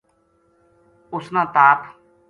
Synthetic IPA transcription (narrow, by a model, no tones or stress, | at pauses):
ʊsnãːt̪aːp